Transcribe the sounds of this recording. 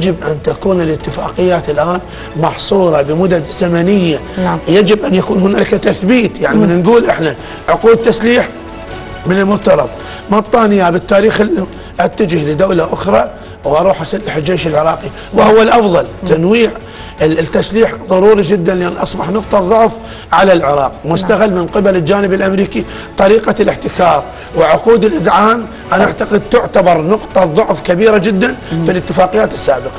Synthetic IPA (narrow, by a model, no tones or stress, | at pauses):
d͡ʒɪbʔant̪akuːnɪlɪt̪ːɪfaːqɪjːaːt̪ɪlʔaːn | mɑħsˤuːɾˤɑbəmʊd̪ad̪zamanɪjːajad͡ʒɪbʔanjakuːnhʊnaːlkat̪aθbiːt̪jaʕnimɪnnɡuːlʔɪħna | ʕʊquːt̪ːasliːħ | mɪnɪlmʊt̪ːɑɾˤɑðˤ | mɑt̪ˤːaːnɪjabɪt̪ːaːɾiːxɪlːi | ʔat̪ːad͡ʒɪhlɪd̪awlaʔʊxɾˤɑ | wʔɑɾˤuːħʔasalːɪħɪld͡ʒeːʃɪlʕɪɾˤɑːqi | wɪhʊwːalʔɑfðˤɑlt̪ʰanwiːʕ | t̪ːasliːħðˤɑɾˤuːɾid͡ʒɪd̪ːanlʔaːnʔɑsˤbɑħnʊqt̪ˤɑðˤːʊʕf | ʕalalʕɪɾˤɑːq̚mʊst̪aɣalːmɪnqɪbalɪld͡ʒaːnɪbɪlʔamɾiːki | t̪ˤɑɾiːqalɪħt̪ɪkɑːɾˤ | wɪʕʊquːd̪ɪlʔɪðʕaːn | ʔanaʔaʕt̪aqɪd̪̚t̪ʊʕt̪abɑɾˤnʊqt̪ˤɑðˤʊʕfkabiːɾad͡ʒɪd̪ːanfilɪt̪ːɪfaːqɪjːaːt̪ɪsːaːbɪqɑ̥